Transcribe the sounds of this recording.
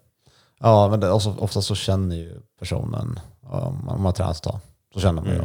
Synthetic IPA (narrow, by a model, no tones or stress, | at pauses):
jɑːmɛnd̪ɔsɔʔɔ̰ft̪asɔɕɛnːəɾjɵpʰæʂṵːnə̰nɔ̰mːɔmːanat̪ʰɾɛ̰ːnat̪ɔt̪ʰːɑ̰ː | sɔɕɛnːəɾma̰njə̰